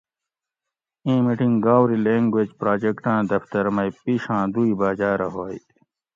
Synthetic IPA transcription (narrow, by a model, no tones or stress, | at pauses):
ẽːmiʈĩŋɡaːwɾilẽːŋɡweːd͡ʑpɾaːd͡ʑekʈãːd̪ɐft̪ɐɾmɐipiːʂãːd̪uibaːd͡ʑaːɾɐɦoːj